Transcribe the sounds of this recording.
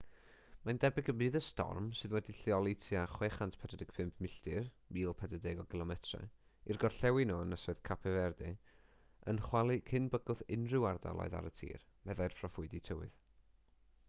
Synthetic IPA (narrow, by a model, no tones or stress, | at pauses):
mandɛbɪɡəbɨːðəstɔ̰rmsɨðwɛdiɬiɔlˠitʰiaχweːχantʰpʰɛdɛdɪɡ̥̚pʰɪmpʰmɪɬtɨr | miːlˠpʰɛdədɪɡɔɡɪlˠɔmɛtʰrɛ̰ | irɡɔrɬɛwɪnɔənəsɨð̥kʰapʰɛvɛrdɨ | ə̰nχwalˠikʰɪnbəɡʊðɪnrɪwarda̰lˠɔ̰ɨða̰ɾətʰḭːr | mɛðajrpʰrɔfʊɨditʰəwɨ̰ð